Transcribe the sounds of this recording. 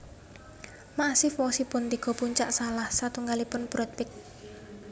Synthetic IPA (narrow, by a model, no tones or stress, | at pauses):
masɪfwɔsipʊnt̪iɡ̥ɔ̤puɲt͡ʃaʔsalahsat̪uŋɡalipʊnbɾɔt̪̚pɪk̚